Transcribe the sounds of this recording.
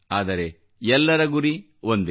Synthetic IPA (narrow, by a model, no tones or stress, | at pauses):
aːd̪ɐɾe̞ | ɛlːɐɾɐɡuɾi | ʋond̪e